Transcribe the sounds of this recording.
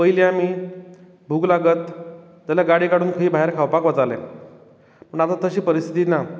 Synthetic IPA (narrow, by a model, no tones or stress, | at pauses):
pəjleamiː | bʱuɡlaɡət̪ː | aljaɡaɽiːkaɽuːnkʰəɦiːbʱaɦeɾkʰawpakʋat͡salḛ̃ | məɳat̪at̪əɕiːpəɾist̪ʰit̪ina